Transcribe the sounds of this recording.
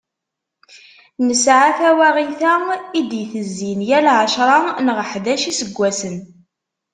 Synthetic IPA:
nəsʕaθæwæʁiθæid̪jθəzːinjælʕəʃɾˤɑnʁəħðæʃisəɡʷːæsən

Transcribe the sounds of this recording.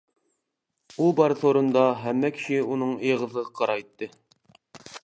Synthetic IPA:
ulˠbɑɾθoɾɤ̆nd̪ɑɦæmːækʰɪ̥ʃɪunɤɴɤjɤʁɤ̆zɤʁqʰɑɾɑit̪ːɘ

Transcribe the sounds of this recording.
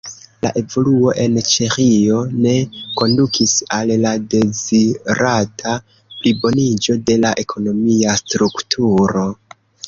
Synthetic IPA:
la̰ʔe̞vo̞luo̞ʔe̞nt͡ʃe̞xio̞ne̞ko̞ndukʰisallade̞ziɾatʰa | plibo̞nid͡ʒo̞de̞laʔe̞kʰo̞no̞miastɾuktʰuɾo̞

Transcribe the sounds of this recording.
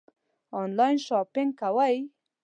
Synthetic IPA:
ɔnlɑjnʃɑpɪŋɡ̚kawəj

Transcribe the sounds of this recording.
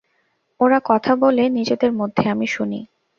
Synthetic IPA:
oɾakɔt̪ʰabolenid͡ʑed̪eɾmod̪ʱːeamiʃunḭ

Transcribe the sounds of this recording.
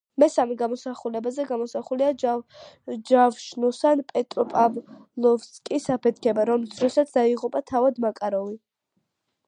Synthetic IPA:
mɛsamiɡamɔsaχulɛbazɛɡamɔsaχulia | d͡ʒavʃnɔsanpʼɛt̪ʼɾɔpʼavlˠɔvskʼisapʰɛt̪ʰkʰɛbaɾɔmsɾɔsat̪sʰd̪aiʁupʼat̪ʰavad̪makʼaɾɔli

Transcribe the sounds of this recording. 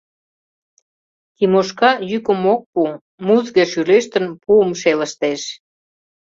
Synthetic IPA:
t̪imoʃkɑjykə̆mok̚pu | muzɣeʃyleʃt̪ənpuəmʃelə̆ʃt̪eʃ

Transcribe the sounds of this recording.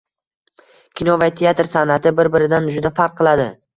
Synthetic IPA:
kʲinɒvat̪ʰeat̪ɾsanat̪ʰɪbɪɾbɪɾɪd̪and͡ʒʊd̪afaɾqʰːɨlˠad̪ɪ

